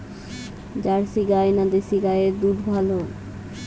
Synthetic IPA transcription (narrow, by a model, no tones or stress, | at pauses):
d͡ʑaɾsiɡajnad̪esiɡajed̪uɾbʱalo